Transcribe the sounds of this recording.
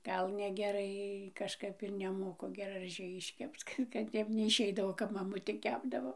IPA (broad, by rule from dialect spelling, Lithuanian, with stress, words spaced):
ˈɡɐlˠ nʲɛɡʲɛˈrɐɪ kɐʃˈkɐp ɪr nʲɛˈmoːkʊ ɡʲɛrɐˈʒʲɛɪ ɪʃʲˈkʲɛpt͡s ˈkɐt kɐt ˈtʲɛp nʲɛɪʃʲˈɛɪdɐʋoː ˈkɐp mɐˈmʊtʲeː ˈkʲæːbdɐʋoː